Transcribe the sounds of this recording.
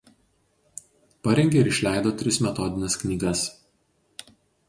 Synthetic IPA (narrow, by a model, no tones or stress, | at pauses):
pɐɾʲɛŋʲɡʲeɪɾɪʃʲlʲæˑɪd̪oːt̪ʲɾʲɪsmʲɛt̪ɔd̪ʲɪnʲɛsknʲiːɡɐs